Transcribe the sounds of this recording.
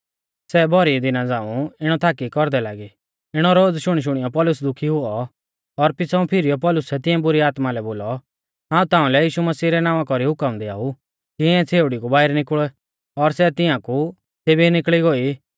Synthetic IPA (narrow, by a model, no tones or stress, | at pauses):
sɛbʱɔɾid̪ɪnãd͡zãːũɪɽ̃ɔt̪ʰaːkikɔɾd̪ɛlaːɡi | ɪɽ̃ɔɾoːd͡zʃʊɽ̃iʃ̬ʊɽ̃ijɔpɔlʊsd̪ʊkʰiɦʊɔ | ɔɾpɪt͡sãũpʰɪɾijɔpɔlʊsɛt̪ɪ̃ãbʊɾiaːt̪malɛboːlɔ | ɦãːũt̪ãːũlɛjiːʃumɐsiːɾɛnaːʋãkɔɾiɦʊkəmd̪ɛa̰ːu | kiɛ̃t͡sʰeːʊɽikubaːɪɾnɪkɭɔ | ɔɾsɛt̪ɪ̃ãku | seːbʱinɪkɭiɡoːi